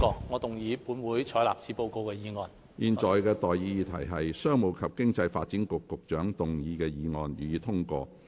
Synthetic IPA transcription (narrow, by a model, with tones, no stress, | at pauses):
kɔː˧ŋɔː˨˧t̪ʊ˨ŋjiː˨˧˥puː˨˥nwuː˨˥jt͡ʃʰɔː˨˥jla̰ː˨p̚t͡sʰiː˨˥po˧wko˧wkɛː˧jiː˨˧ŋɔː˨n | jiː˨nt͡sɔː˨jkɛː˧t̪ɔː˨jjiː˨˧jiː˨˧t̪ʰɐ̰˨˩jɦɐ˨jsœː˥ŋmo˨˩wkʰɐ˨p̚kɪ˥ŋt͡sɐ˧jfa̰ː˧t̚t͡si˨˥nkʊ˨kːʊ˨k̚t͡ʃœː˨˥ŋt̪ʊ˨ŋjiː˨˧kɛː˧jiː˨˧ŋɔː˨˩njiː˨˧t̪ʰʊ˥ŋkɔ̰ː˧